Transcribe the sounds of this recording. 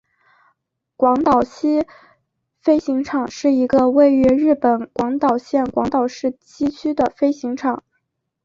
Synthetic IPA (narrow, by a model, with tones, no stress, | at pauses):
kwɑ˧˥ŋt̪ɑ˨˩ʊɕʰi˥ | fe˥ɪɕi˧˥ŋʈ͡ʂʰɑ˨˩˦ŋʂɻ̩˥˩i˧˥ɡə˧we˥˩ɪy˧˥ɻɻ̩˥˩pə˨˩nkwɑ˧˥ŋt̪ɑ˨˩ʊɕjɛ˥˩nkwɑ˧˥ŋt̪ɑ˨˩ʊʂɻ̩˥˩t͡ɕi˥t͡ɕʰy˥d̪ə˨fe˥ɪɕi˧˥ŋʈ͡ʂʰɑ˨˩˦ŋ